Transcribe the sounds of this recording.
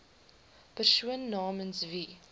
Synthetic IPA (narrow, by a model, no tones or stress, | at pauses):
pəʃuənːɑːmənsvi